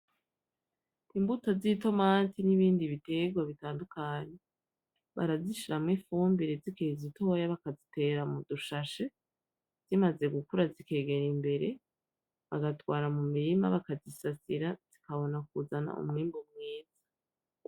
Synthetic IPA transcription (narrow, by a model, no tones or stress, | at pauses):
imbutozito̞maːntʰiniβiːndiβite̞ɡwaβitaːndukaːɲe̞ | βa̰ɾaziʃiɾamŋifuːmbiɾezikezito̞jaβakazite̞ːɾamuduʃaʃe | z̥imaze̞ɡukuɾazike̞ːɡe̞ɾimbe̞ɾe̞ | βaɡatwaːɾamumiɾima̰βakazisasiɾaz̥ikaβo̞nak̚uzana̰ʔṵmŋiːmbumŋiːz̥ḁ